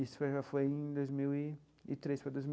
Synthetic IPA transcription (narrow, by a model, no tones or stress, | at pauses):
isʊ̥fojʒafojẽj̃d̪ojzmiwɪ | ɪt̪ɾespɾad̪ojzm